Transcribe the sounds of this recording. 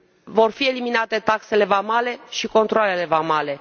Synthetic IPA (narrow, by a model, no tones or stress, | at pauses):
vo̞rfie̞liminat̪e̞t̪akse̞le̞vamale̞ʃiko̞nt̪ɾoale̞le̞vamale̞